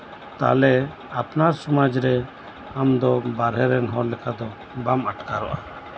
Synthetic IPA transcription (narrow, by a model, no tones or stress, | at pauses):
t̪a̰lɛ | apnaɾsɔmad͡ʒɾɛ | amd̪ɔbaɾɦɛɾɛnɦɔɾlɛkad̪ɔ | bamaʈkaɾɔ̰ʔa